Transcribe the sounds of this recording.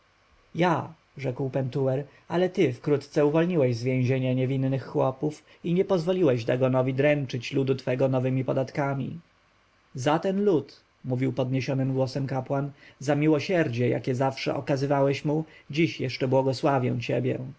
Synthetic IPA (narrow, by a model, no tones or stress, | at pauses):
ja | ʐɛkwpɛnt̪uwɛɾ | alɛt̪ɘfkɾut̪t̪sɛuvɔlɲiwɛʑzvʲjeɛ̃ʑeɲɛɲɛvʲinːɘxːwɔpuf | iɲɛpɔzvɔlʲiwɛʑd̪aɡɔnɔvʲid̪ɾɛnt͡ʂɘt͡ɕlud̪ut̪fɛɡɔnɔvɘmʲipɔd̪at̪kamʲḭ | zat̪ɛnlut̪ | muvʲiwpɔd̪ɲeɕɔnɘmɡwɔsɛmkapwanzamʲiwɔɕɛɾd͡ʑɛja̰kʲɛzafʂɛ̰ʔɔkazɘvawɛɕmud͡ʑiɕjɛʂt͡ʂɛbwɔɡɔswavʲjɛ̰w̃t͡ɕḛbʲjɛ̰